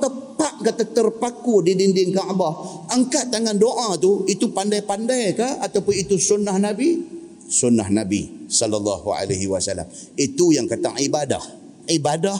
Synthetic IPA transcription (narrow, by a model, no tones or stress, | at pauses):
t̪əpaʔkat̪at̪ərpakudidindɪŋkaʔbahəŋkaʔt̪aŋandoʔat̪uit̪upandajpandajkaat̪awpʊnit̪usunahnabi | sunahnabḭsɔlalːɑɦua̰laɦiwasala̰m | it̪ujaŋkat̪aŋʔibada̰h | ibadah